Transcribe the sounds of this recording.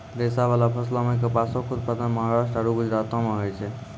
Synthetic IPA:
d̪esaβalapʰəslɔmek̬epasɔkʰud̪pad̪ənməɦaɾasʈɾaɾuɡud͡ʒɾat̪ɔmeɦojt͡ʃʰɛ

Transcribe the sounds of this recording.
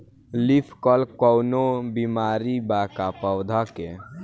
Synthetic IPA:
lipʰkɔlkɔwnobimaːɾibaːkapəwd̪ʱake

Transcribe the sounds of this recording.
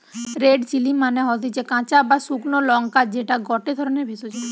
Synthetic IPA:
ɾeɖt͡ʃilimaneɦɔt̪it͡ʃekãt͡ʃabasuɡnolɔŋkad͡ʒeʈaɡɔʈed̪ʱɔɾɔneɾbʱisot͡ʃʰe

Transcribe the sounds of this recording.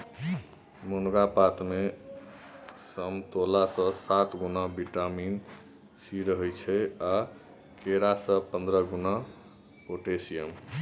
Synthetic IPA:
munɡapat̪me | səmt̪olasə̃sat̪ɡunabiʈamin | siɾəɦɛjt͡ʃʰɛa | keɾasə̃pənd̪ɾəɡuna | oʈesijəm

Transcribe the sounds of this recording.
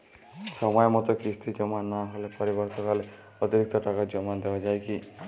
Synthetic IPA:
sɔmɔjɔmɔt̪ɔkist̪ʰid͡ʒɔmanaɦolepɔɾibɔɾsɔkale | ɔt̪iɾik̚t̪ɔʈakad͡ʒɔmad̪ebad͡ʒajki

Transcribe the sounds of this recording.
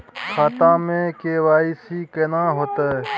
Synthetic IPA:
xaːt̪ãːmẽkeːwaːisiːkenãːɦoːt̪e

